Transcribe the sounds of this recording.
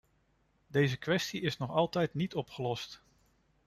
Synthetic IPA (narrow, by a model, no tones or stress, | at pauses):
dejzəkʋɛstiɪsnɔχɑlˠtɛjtnitɔpχəlɔst